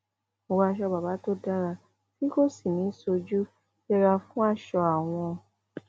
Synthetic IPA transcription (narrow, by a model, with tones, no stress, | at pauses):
o˧wa˧ʃ̬ɔ˧ba˨ba˨˦to˦da˦ɾa˧ | tĩ˦ko˦˨si˦˨nĩ˨˦so˧d͡ʒu̥˦ | ɛ˧ɾa˧fũ˦a˦˨ʃɔ˧a˨w̃ɔ̃˧